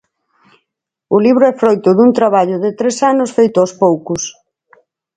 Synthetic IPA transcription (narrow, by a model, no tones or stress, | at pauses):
ʊliβ̞ɾʊɛfɾojt̪ʊðunt̪ɾaβaʎʊðɪt̪ɾesanʊsfejt̪ʊawspowkʊs